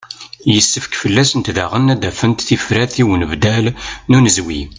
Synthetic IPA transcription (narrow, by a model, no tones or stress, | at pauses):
jəsːəfkfəlːæsənt̪ðæʁənːæd̪æfənt̪θifɾæθiwənəvd̪ælnunəzwi